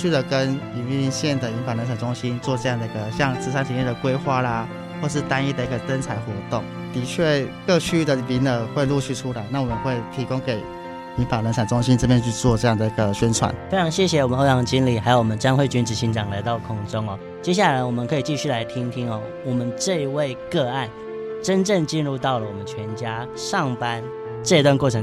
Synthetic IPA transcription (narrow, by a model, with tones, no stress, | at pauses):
y˥˩d̪ə˨˩kə˦ni˨˩ni˥˧nɕjɛ˥˩nd̪ə˩i˧˥nfa˨˩nlə˧˥nt͡sʰa˨˩nʈ͡ʂʊ˥ŋɕi˦˥nt͡swɔ˥˧ʈ͡ʂɤ˥˧jɑ˥˩ŋd̪ə˨˩i˧˥ɡə˨ɕjɑ˥˧ŋt͡sɹ̩˥˩sa˥nt͡ɕʰi˧˥nje˥˩d̪ə˨˩kwe˥ɪxwa˥˩la˨ | xwɔ˥˧ʂ̬ɻ̩˥˩t̪a˥ni˥˩d̪ə˩i˧˥ɡə˨˩t͡sə˥nt͡sʰa˧˥ɪxwɔ˧˥t̪o˥˩ŋ | t̪i˧˥t͡ɕʰɥɛ˥˩kɤ˥˧t͡ɕʰy˥d̪ə˨˩pi˧˥nə˨˩xwe˥˧ɪlu˥˧ɕʰy˥˩ʈ͡ʂʰu˥la˧˦ɪna˥˩wɔ˨˩mə˨˦nxwe˥˩ɪt̪ʰi˧˥ko˥ŋke˨˩ɪ | ni˧˥pa˨˩lə˧˥nt͡sʰa˨˩nt͡sʊ˥ŋɕi˦nʈ͡ʂp̬jɛ˥˧nt͡ɕʰy˥˧t͡swɔ˥˧ʈ͡ʂɤ˥˧jɑ˥˩ŋd̪ə˩i˧˥ɡə˨ɕɥɛ˥nʈ͡ʂʰwa̰˨˩˦nfe˥ɪʈ͡ʂʰɑ˧˥ŋɕjɛ˥˩ɕjɛ˨wɔ˨˩mə˦no˥ʊjɑ˧˥ŋt͡ɕi˥nli˨˩xa˧˥ɪo˨˩ʊwɔ˨˩ə˦nt͡ɕjɑ˥ŋxwe˥˩ɪt͡ɕy˧˥nʈ͡ʂɻ̩˨˩ɕi˧˥nʈ͡ʂɑ˨˩ŋla˧˥ɪt̪ɑ˥˩ʊkʰʊ˥˩ŋʈ͡ʂʊ˦ŋɔ˨ | t͡ɕjɛ˥ɕ̬ja˥˩la˧˥ɪwɔ˨˩mə˦nkʰɤ˧˥i˨˩t͡ɕi˥˧ɕy˥˩la˧˥ɪt̪ʰi˦˥ŋt̪ʰi˦˥ŋɔ˥˩ | wɔ˨˩mə˨˦nʈ͡ʂɤ˥˧i˧we˥˧ɪkɤ˥˧a˥˩n | ʈ͡ʂə˦nʈ͡ʂə˥˧ŋt͡ɕi˥˧nɻu˥˧t̪ɑ˥˩ʊlə˩wɔ˨˩mə˦nt͡ɕʰɥɛ˧˥nt͡ɕja˥ | ʂɑ˥˨˩ŋpa˦˥n | ʈ͡ʂɤ˥˧i˧t̪wa˥˧nkwɔ˥˩ʈ͡ʂʰɤ˧˦ŋ